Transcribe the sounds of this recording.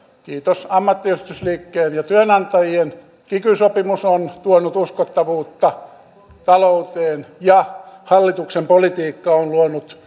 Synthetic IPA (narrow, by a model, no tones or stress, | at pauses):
kiːt̪osɑmːɑt̪ːiyst̪ysliːkːeːnjɑt̪yønɑnt̪ɑjien | kikysopimusont̪uonut̪uskot̪ːɑʋuːt̪ːɑ | t̪ɑlout̪eːnjɑhɑlːit̪uksempolit̪iːkːɑonluonut̪